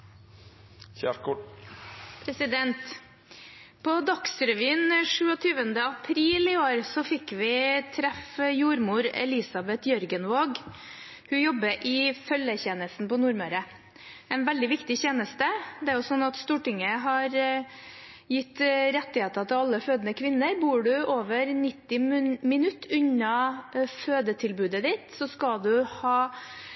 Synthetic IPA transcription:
çækʊ | pʰɾɛsɪd̪ɛnt̪ | pʰɔd̪ɑksɾɛʋiːnʂʉːɔt̪ʰyːʋənd̪əɑpʰɾiːlɪoːɾsɔfɪkːʋɪt̪ʰɾɛfjuːɾmuːɾɛ̰lɪsɑbɛt̪jœɾɡənʋoːɡ | hʉjɔbːəʔɪfœljəçeːnəst̪n̩pɔnuːɾmœɾə | ɛnʋɛld̪ɪʋɪkt̪ɪçeːnəst̪əd̪ɛæɾjʊsɔnːɑt̪st̪uːʈɪŋːəɦɑɾ | jɪt̪ːɾɛt̪ːɪheːt̪ət̪ʰɪlɑlːəføːd̪ənəkʰʋɪnːəɾbuːɖʉoːʋəɾnɪt̪ːɪmmɪnʉt̪ːʉɲɑføːd̪ət̪ʰɪlbʉːd̪əd̪ɪt̪sɔskɑd̪ʉhɑː

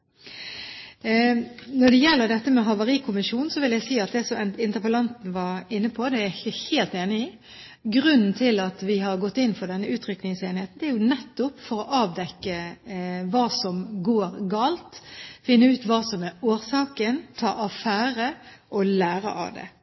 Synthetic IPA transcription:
nɔɖ̪ɛjɛlːəɾd̪ɛt̪ːəmɛɦɑʋɑɾiːkʰʊmɪʃuːnn̩sɔʋɪljæɪsiːɑt̪̚d̪ɛsɔmɛɪnt̪əpəlɑnt̪n̩ʋɑɾɪnːəpʰɔd̪ɛæɪçəheːlt̪eːnɪiː | ɡɾʉnn̩t̪ʰɪlɑt̪ʋɪɦɑɾɡɔt̪ːɪnːfɔɖ̪ɛnːəʉːt̪ʰɾʏknɪŋseːnheːt̪n̩d̪ɛæɾjʊnɛt̪ːʊpfɔɾɔʔɑːʋd̪ɛkːə | ʋɑːsɔmɡoːɾɡɑːlt̪fɪnːəʉːt̪ʋɑːsɔmæɾoːɾsɑːkənt̪ʰɑ̰ːʔɑfæːɾə | ʔɔlæːɾə̰ʔɑ̰ʋd̪ɛ̰

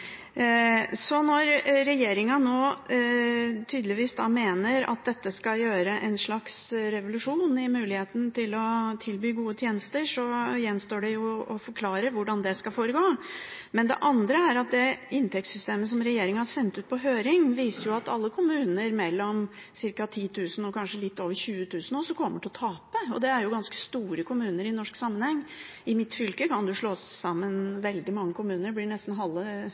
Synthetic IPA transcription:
sɔnɔɾɾɛjeːɾɪŋɑnoː | t̪ʰyːd̪lɪʋiːsd̪ɑːmeːnəɾɑ̰t̪̚d̪ɛt̪ːəskɑljøːɾəʔɛnʂɭɑksɾɛʋʊlʉʂuːnɪmʉːlɪheːt̪n̩t̪ɪlɔt̪ʰɪlbyːɡuːət̪ʰjeːnəst̪əʂɔjɛnːst̪oːɖɛjʊɔfɔɾkʰlɑːɾəɾʋʊɖɑnd̪ɛskɑlfoːɾəɡoːmɛnd̪ɛ̰ʔɑnd̪ɾəæɾɑt̪̚d̪ɛɪnt̪ʰɛk̚t̪sʏst̪eːməs̬ɔmɾɛjeːɾɪŋənhɑɾsɛnt̪ʉːt̪̚pʰɔɦøːɾɪŋʋiːsəɾjʊɑt̪ɑ̰lːəkʰʊmʉːnəɾmɛlːɔm | sɪɾkɑt̪ʰiːt̪ʰʉːsn̩ɔkʰɑnʂəlɪt̪ːoːʋəɾçʉːət̪ʰʉːsnɔsɔkʰɔmːəʈʰɪlɔt̪ʰɑːpəɔ̰d̪ɛæɾjʊɡɑnskə̥st̪uːɾəkʰʊmʉːnəɾɪnɔʂksɑmːənhɛŋː | ɪmɪt̪fʏlkəkɑnd̪ʉʊʂɭoːsɑmːənʋɛld̪ɪmɑŋːəkʰʊmʉːnəɾblɪɳɛst̪n̩ɦɑlːə

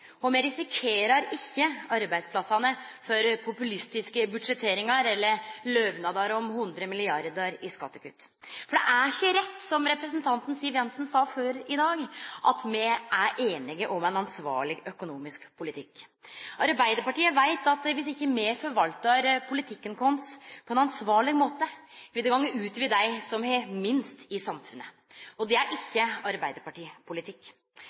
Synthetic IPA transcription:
ɔmɛɾɪsɪkʰeːɾɑɾɪçːəɑɾbæɪd̪spʰlɑsːɑnəfɔɾpʰʊpʉlɪst̪ɪskəbʉd̪ʂɛt̪ʰeːɾɪŋɑɾɛlːəɾlœʋnɑd̪ɑɾɔmhʉnd̪ɾəmɪlɪɑɾd̪əɾɪskɑt̪ːəkʰʉ̰t̪ː | fɔɖɛ̰ʔæɾçːəɾɛt̪ːsɔmɾɛpɾəsənt̪ʰɑnt̪n̩siːʋjɛnsn̩sɑːføːɾɪd̪ɑːɡʔɑt̪mɛʔæɾʔeːnɪɡəʔɔmɛnɑnsʋɑ̰ːɭɪɡœkʊnuːmɪskpʰʊlɪt̪ʰɪkː | ʔɑɾbæɪd̪əɾpɑʈiːəʋæɪt̪ɑt̪ʋɪsɪçːəmɛfɔɾʋɑlt̪ɑɾpʰʊlɪt̪ʰɪkːənkʰɔnspʰɔɛnɑnsʋɑːɭɪɡmoːt̪əʋɪd̪ɛɡɑŋːəʉːt̪ʋɪd̪æɪsɔmhɛmɪnst̪ɪsɑmfʉnːə | ɔd̪ɛæɾʔɪçːəɑɾbæɪd̪əɾpɑʈiːpʰʊlɪt̪ʰɪkː

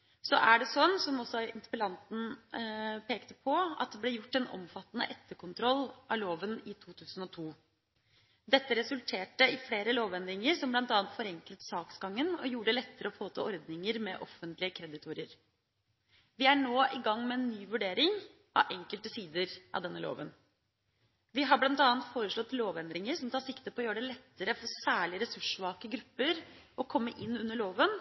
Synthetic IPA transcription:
sɔʔæɖɛsɔnːsɔmɔsɔɪnt̪ə̥pəlɑnt̪n̩ | pʰeːkt̪əpʰɔɑ̰t̪̚d̪ɛbleːjʊʈːɛnɔ̰mfɑt̪ːnə̰ʔɛt̪ːəɾkʰʊnt̪ʰɾɔlːʔɑloːʋənɪt̪ʰuːt̪ʰʉːsn̩ɔt̪ʰuː | d̪ɛt̪ːəɾɛsʉlt̪ʰeːʈəɪfleːɾəloːʋɛnd̪ɪŋəɾsɔmblɑnt̪ɑːnt̪fɔɾɛŋklət̪sɑːksɡɑŋːənɔ̰juːəɖəlɛt̪ːəɾəɔfoːt̪ʰɑ̰ːɔɾd̪nɪŋəɾmɛ̰ʔɔfːənt̪lɪəkʰɾɛd̪ɪt̪ʰʊɾəɾ | ʋɪæɳoːʔɪɡɑŋːmɛɛnːyːʋʉɖeːɾɪŋ | ʔɑ̰ʔɛŋkəlt̪əsiːd̪əɾʔɑ̰ʋd̪ɛnːəlo̰ːʋən | ʋɪɦɑblɑnt̪ɑːənt̪foːɾəʂɭɔt̪ːloːʋɛnd̪ɾɪŋəɾsɔmt̪ʰɑːɾsɪkt̪əpʰɔjøːəɖɛlɛt̪ːəɾəfɔɾsæːɭɪəɾɛsʉʂʋɑːkəɡɾʉpːəɾɔkʰɔmːəʔɪnːʉnːəɭoːʋən

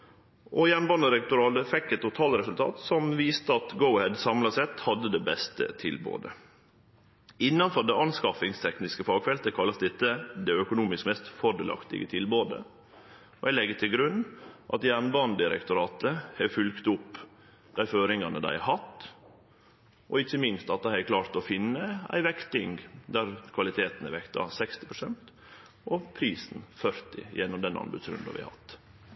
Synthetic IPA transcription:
ʔɔjæːɳbɑnəd̪ɪɾɛk̚t̪ʊɾɑːt̪əfɛkːɛt̪ːʊt̪ʰɑːlɾɛsʉlt̪ʰɑ̰ːt̪sɔmʋiːst̪əɑt̪ɡəʊhɛd̪sɑmlɑsɛt̪hɑd̪ːəd̪ɛbɛst̪ə̰t̪ʰɪlbo̰ːd̪ə̰ | ɪnːɑnfɔɖ̪ɛʔɑnskɑfɪŋst̪ʰɛknɪskəfɑːɡfɛlt̪əkʰɑlːɑsd̪ɛt̪ːəd̪ɛœkʊnuːmɪskmɛst̪fɔɖ̪ɛːlɑ̰kt̪ɪ̰ɡə̰t̪ʰɪlboːd̪ə̰ | ɔæɪlɛɡːət̪ʰɪlɡɾʉnʔɑ̰t̪jæːɳbɑnd̪ɪəɾɛ̰kt̪ʊɾɑːt̪əhɛfʉlkt̪ʊpː | d̪̥æɪføːɾɪŋɑnəd̪æ̰ɪhɑt̪ː | ʔɔɪçːəmɪnst̪ɑt̪ːɑhɛkʰlɑːɾt̪ɔfɪnːəæ̰ɪʋɛkt̪ɪŋd̪æɾkʰʋɑlɪt̪ʰeːt̪nəʋɛkt̪ɑ̰sɛkst̪ɪ̥pʰɾʊsɛnt̪ | ʔɔpʰɾiːsn̩fœɾt̪ɪ̰jɛnːʊmd̪ɛnʔɑ̰nbʉ̰d̪sɾʉ̰nd̪ɑ̰ʋɪ̰hæ̰hɑ̰t̪ː

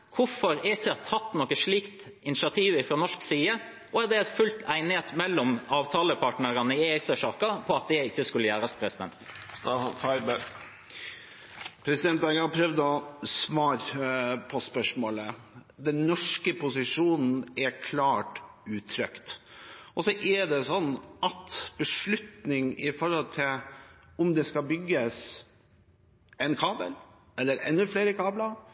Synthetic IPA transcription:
kʰʊfɔɾæɾɪçːəɛt̪ʰɑt̪ːnɔkːəʂɭiːkt̪ | ɪnɪʂɪɑt̪ʰiːʋɪfɾɔnɔʂksiːə | ʔɔæɾd̪ɛæt̪fʉlt̪æɪnɪheːt̪mɛlːɔmɑːʋt̪ʰɑːləpʰɑʈnəɾɑnəɪesəʂɑːkɑpʰɔɑt̪̚d̪ɛɪçːəskʉlːəjæːɾəspʰɾɛsɪd̪ɛ̰nt̪st̪ɑfɑɪbəɾ | pʰɾɛsɪd̪ɛnt̪æɪɡɑɑpʰɾœʋd̪ɔsʋɑːɾpʰɔspœʂmoːlə | d̪ɛnːɔʂkəpʰʊsɪʂuːnn̩ɛkʰlɑːʈ | ʉːt̪ʰɾœkt̪ɔsɔʔɛɖɛsɔnːʔɑt̪b̥əʂɭʉt̪nɪŋɪfɔɾhɔlt̪ʰɪlʊmd̪ɛskɑbʏɡːəs | ɛnkʰɑːbə̰l | ɛlːəɾɛ̰nːʉfleːɾəkʰɑːblɑ

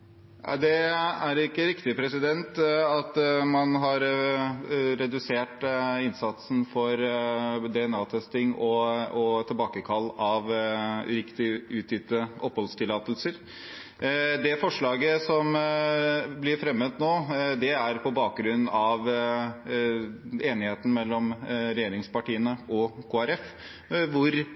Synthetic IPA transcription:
ʔɑ̰d̪ɛæɾɪkːəɾɪkt̪ɪpʰɾɛsɪd̪ɛnt̪ɑt̪mɑnɦɑɾ | ɾɛd̪ʉseːʈɪnsɑt̪sn̩fɔɾd̪ɛɛnɑːt̪ʰɛst̪ɪŋɔɔt̪ʰɪlbɑːkəkʰɑlːɑʋɾɪkt̪ɪʉːt̪ʰjɪt̪ːəʔɔpːhɔlst̪ʰɪlːɑːt̪əlsəɾ | d̪ɛfɔʂɭɑːɡəsɔm | blɪɾfɾɛmːət̪noːd̪ɛæɾpʰɔbɑːk̚ɡɾʉnnɑʋ | eːnɪheːt̪n̩mɛlːɔmɾɛjeːɾɪŋspɑʈiːənəʔɔkʰoːæɾɛf | ʋʊɾ

